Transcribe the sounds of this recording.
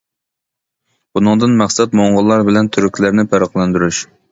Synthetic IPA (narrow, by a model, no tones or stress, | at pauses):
bunɨŋd̪ɨnmæχsɛt̪moɴʁəlˠːɑɾbɪlɛnt̪ʰyɾykʲʰlæɾnɪpʰæɾəqlˠɛnd̪yɾyʃ